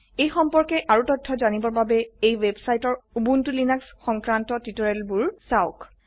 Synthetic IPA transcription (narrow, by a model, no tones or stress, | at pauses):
ejxɔmpɔɹkɛʔaɹutɔtʰːɔzanibɔɹbabɛejwebsajtɔɹubuntulinaksxɔŋkɹantɔtitɔɹɛlbuɹsaʊk